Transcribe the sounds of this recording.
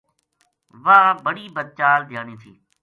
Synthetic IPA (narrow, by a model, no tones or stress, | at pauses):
ʋaːbəɽiːbəd̪̚t͡ʃaːld̪ʱjaːniːt̪ʰḭː